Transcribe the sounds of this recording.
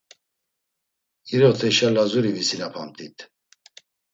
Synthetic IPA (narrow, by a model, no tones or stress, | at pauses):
iɾɔt̪ʰɛʃalazuɾivisilapʰamt̪ʰit̪ʰ